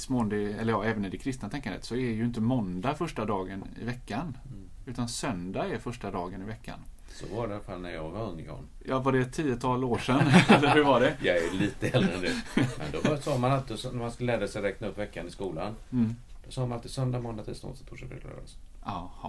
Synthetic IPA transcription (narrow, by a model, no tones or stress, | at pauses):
smond̪ɪɛləɾjɑːɛːvənːɪɖɛkʰɾɪst̪nat̪ʰɛŋkːand̪ət̪sɔɛjɵɪnt̪əmɔnd̪afœʂʈad̪ɑːɡənɪ̰vɛkːan | ʉ̟ːt̪ansœnd̪aɛɾfœʂʈad̪ɑːɡənɪvɛkːa̰n | sɔ̰vaɖɛalfalnæɾjɑːɡvaɵŋːɪɡɔ̰n | jɑːvaɖɛt̪ʰiːət̪ʰɑːloːʂɛnɛlːəɾɦɵɾvaɖɛjɑɛliːt̪əɛlɾɛnd̪ɛmɛ̰nd̪ɔsɑːmanalt̪ɪsɔnæɾmanskɵləɛd̪asɛɾɛːknaɵpːvɛkːanɪskuːland̪̥ɔsɑːmanalt̪ɪsœnd̪amɔnd̪at̪ʰid̪sno̰ːd̪sɔt̪ʰuʂɛk̪ɛ̰ɡ̪a̰ɾa̰s | ʔahɑ̰